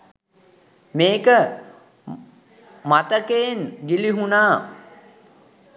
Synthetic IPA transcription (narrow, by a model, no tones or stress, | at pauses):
meːkə | mat̪əkeŋɡiliɦunaː